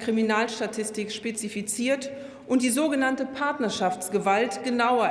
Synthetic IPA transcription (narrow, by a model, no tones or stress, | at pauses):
kʁ̥iminaːlʃtatʰɪstɪkʃpet͡sifit͡siːɐt | ʔʊntd̥iːzoːɡənantəpʰaɐtnɐʃaft͡sɡ̥əvaltɡ̥ənaʊɐ